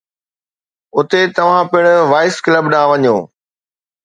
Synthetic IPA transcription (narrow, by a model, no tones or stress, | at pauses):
ʊt̪et̪ɐʋ̤ãpɪɽ̃ʊʋaːɪskləbɗãːʋɐɲoː